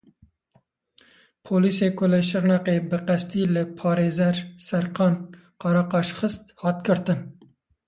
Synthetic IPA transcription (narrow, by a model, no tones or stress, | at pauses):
pʰoːliːseːkʰʊlɨʃɨɾnɑqeːbɨqɛst̪iːlɨpʰɑːɾeːzɛɾsɛɾqɑːn | qɑɾɑqɑːʃxɨst̪hɑːt̪kɨɾt̪ɨn